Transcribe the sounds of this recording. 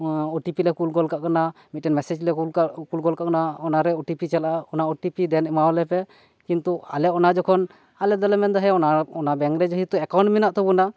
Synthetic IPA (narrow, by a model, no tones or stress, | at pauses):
ɔʈipilɛkulɡɔlkaʔkanamit̪̚ːɛnmɛsɛd͡ʒlɛkulɡɔlkaʔkanaɔnaɾɛɔʈipit͡ʃɛlaɔnaɔʈipid̪ɛnɛmaɔlɛpɛ | kint̪ua̰lɛɔnad͡ʒɔkʰɔn | alɛd̪ɔlɛmɛnd̪ɔɦɛɔnaɔnabɛŋɾɛd͡ʒɔɦit̪uɛkawɳʈminaʔt̪ɔbuna